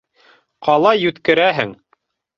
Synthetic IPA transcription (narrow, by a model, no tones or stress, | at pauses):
qʰɑlˠɑjʉt̪kɘ̆ɾæɦɘŋ